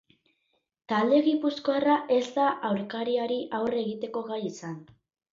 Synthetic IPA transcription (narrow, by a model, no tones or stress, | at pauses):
t̪ald̪e̞ɣipusko̞araʔe̞zd̪aʔawɾkaɾiaɾiʔawre̞ɣit̪e̞ko̞ɣajisan